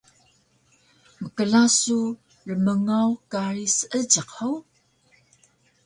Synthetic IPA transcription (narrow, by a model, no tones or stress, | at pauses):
məkəɮasu | rəməŋawkaɾisəʔəd͡ʒəqow